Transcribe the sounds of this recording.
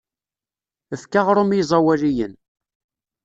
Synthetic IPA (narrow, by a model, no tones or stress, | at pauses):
əfkaʁɾʊmizˤɑwælijən